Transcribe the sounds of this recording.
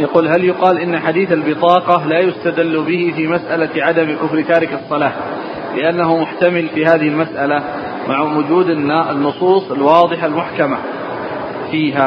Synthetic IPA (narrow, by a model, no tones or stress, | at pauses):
jɑquːlɦaljʊqɑːlʔɪnːaħad̪iːθalbɪt̪ˤɑːqɑlaːjʊst̪ad̪alːbɪhɪfimasʔalaʕad̪amkʊfɾɪt̪aːɾɪkɑsˤːɑlaː | lɪʔanːaɦʊmʊħt̪amɪlfiːɦaːðɪhɪlmasʔala | maʕwʊd͡ʒuːd̪ɪnːʔɪnːʊsˤuːsˤɪlwɑːðˤɨħalmʊħkama | fiːɦa